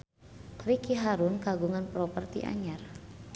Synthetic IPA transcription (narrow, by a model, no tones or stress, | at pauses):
kɾikiɦaɾunkaɡuŋanpɾɔpərt̪ḭʔa̰ɲar